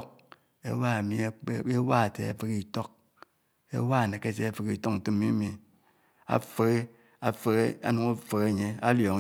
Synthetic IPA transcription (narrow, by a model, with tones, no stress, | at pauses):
k̚ | ḛ˦wa˦e˨mi˦e˦wa˦a˨tḛ˨a̰˨fe˦ki˦˨to˦k̚ | ḛ˦wa˦˨ne˨ke˦se˦a˦˨fe˨ki˨to˦kn̩˨tɨ˦m˦mi˦mi˨ | a̰˨fe˦ɣe˦ | a˨fe˦ɣe˦a̰˦nu˨˦ŋa˦fe˨ɣe˦˨ɲe˦a˦ljo˨ŋ˦